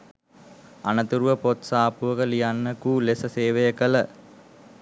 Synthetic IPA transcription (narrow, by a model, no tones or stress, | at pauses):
anət̪uɾuʋəpot̪saːpuʋəkəlijanːəkuːlesəseːʋejəkələ